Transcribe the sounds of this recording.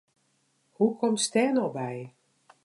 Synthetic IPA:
hukʰɔmtstɛːnɔbɛj

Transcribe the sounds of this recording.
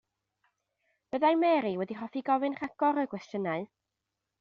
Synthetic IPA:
b̥əðajmɛɾiwɛdirɔfiɡɔvɨnr̥aɡ̥ɔɾəkwɛstjənaɨ

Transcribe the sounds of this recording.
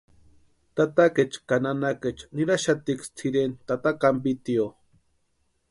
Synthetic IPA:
t̪at̪aket͡ʃkananaket͡ʃniɾaʃat̪ikst͡sʰiɾent̪at̪akambit̪io

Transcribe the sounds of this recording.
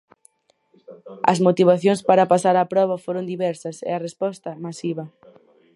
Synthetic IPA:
ɐ̰zmot̪iβaθjoŋspaɾɐpasaɾapɾɔβɐfoɾond̪iβɛɾsɐsɛ̰ɐrespɔst̪ɐmasiβɐ

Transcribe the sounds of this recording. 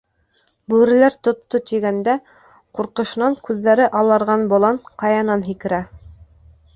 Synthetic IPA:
bʉɾɘ̆læɾt̪ŏt̪ːot̪iɡænd̪æ | quɾqɤ̆ʃɤ̆nɑŋkʉðːæɾɘʔɑlˠɑɾʁɑnbŏlˠɑnqɑjɑnɑnɦikɘ̆ɾæ

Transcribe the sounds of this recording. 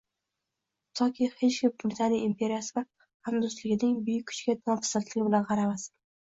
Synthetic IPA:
t̪ʰɒkʲʰihet͡ʃkʲɪmbɾɪt̪ʰanijɪmpʰʲe̞ɾijasɪva | hamd̪ʊst̪lɪɡʲɪnɪŋbʊjɪkʲʰːʊ̥t͡ʃɡʲad̪ɒfɪ̥sat̪lɪɡʲɪbɪlanʁɑɾamas

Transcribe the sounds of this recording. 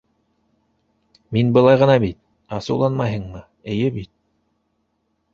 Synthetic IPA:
minbɤ̆lˠɑjʁɤ̆nɑbit̪̚ | ɑsɤwlˠɑnmɑjɦɤɴmɤ | ɘ̆jɘbit̪̚

